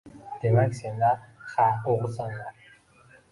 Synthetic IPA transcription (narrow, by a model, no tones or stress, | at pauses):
d̪̥e̞makʲsend̪aχaoʁsan